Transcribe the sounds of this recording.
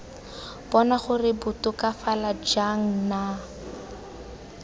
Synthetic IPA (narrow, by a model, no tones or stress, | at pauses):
b̥ɔnaχʊrɪbʊtʊkafalad͡ʒaŋ̩na